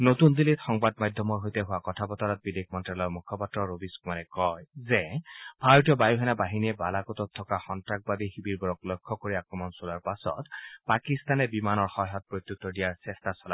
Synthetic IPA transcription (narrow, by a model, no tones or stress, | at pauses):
notund̪ilit̪xɔŋbadmajdʱɔmɔɹɦojtɛɦʊwakɔtʰapɔtɔɹɔt̚bidekʰmɔntɹalɔɹmukʰɔpatɹɔɹobiskumanɛkɔjzɛb̥ʱaɹotijɔbajuɦɛnabaɦiniɛbalakɔtɔt̪ʰːɔkaxɔntɹak̚babixibiɹbɔɹɔklɔjkʰːɔkoɹiakɹɔmɔnsolaɹpasɔ̰tpakist̪anɛbimanɔɹxɔɦɔt̚pɹot̪jut̪ːɔdijaɹsɛstasɔla